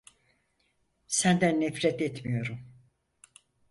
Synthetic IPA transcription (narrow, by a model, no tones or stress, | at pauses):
sænd̪ænːɛfɾɛt̪ɛt̪mijo̞ɾum